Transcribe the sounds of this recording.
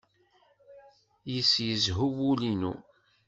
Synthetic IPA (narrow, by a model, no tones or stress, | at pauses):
jəsjəzɦuwulinṵ